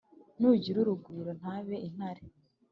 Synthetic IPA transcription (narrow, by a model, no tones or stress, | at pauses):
nuɟiɾuɾuɡuːɾon̥haːβe̞ʔin̥haɾe